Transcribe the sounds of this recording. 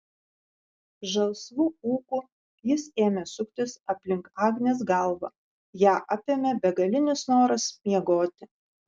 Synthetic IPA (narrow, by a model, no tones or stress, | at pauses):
ʒɐlˠsʋuuːku | jɪseːmʲɛsʊkʲt̪ʲɪsɐpʲlʲɪŋkɑːɡnʲeːs̬ɡɐˑlˠʋɐ̰ | jæːʔɐpʲemʲɛbʲɛɡɐlʲɪnʲɪsnoːɾɐsmʲiɛɡoːt̪ʲɪ